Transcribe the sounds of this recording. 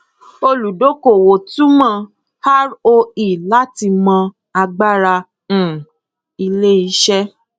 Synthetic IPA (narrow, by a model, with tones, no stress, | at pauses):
o˧lu˨do˦ko˨wo˨tũ˦mã˦˧˨ | ha˦ɾo˧i˦˨la˦ti˧mã˧ | a˧ɡ͡ba˦ɾã˧˨ | i˧le˦i˧˦ʃɛ˦